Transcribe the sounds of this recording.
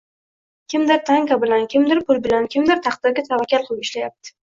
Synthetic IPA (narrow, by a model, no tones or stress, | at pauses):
kʲʰɪmd̪ɪɾt̪ʰaŋkabɪlankʲʰɪmd̪ɪɾpʰʊlbɪlankʲʰɪmd̪ɪɾt̪ʰɑqd̪ɪɾɡʲat̪ʰavakʲʰalqʰʊlˠɪɪʃlajap̚t̪ʰɪ̥